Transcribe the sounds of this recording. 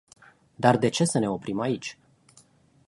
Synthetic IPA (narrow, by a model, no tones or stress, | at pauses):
d̪ard̪e̞t͡ʃe̞səne̞opɾimait͡ʃʲ